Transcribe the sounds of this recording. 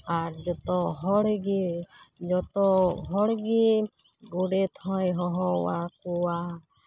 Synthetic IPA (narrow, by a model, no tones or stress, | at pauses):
aɾd͡ʒɔt̪ɔɦɔɽɡed͡ʒɔt̪ɔɦɔɽɡe | ɡuɖet̪ʰɔjɦɔɦɔwakuwa